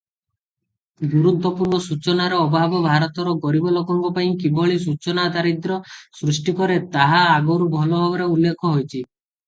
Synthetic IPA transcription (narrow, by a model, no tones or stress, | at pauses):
b̪uɾud̪ʱɔpuɾbɔsut͡ʃɔnaɾɔɔbɔabɔbʱaɾɔt̪ɔɾɔɡɔɾibɔlokɔŋɡɔpaĩkibʱɔɭis̬ut͡ʃɔnad̪aɾid̪ɾɔsɾusʈikɔɾet̪aɦaːɡɔwɾubʱɔlɔbʱabɔɾeulːekʰɔɦojt͡ʃʰi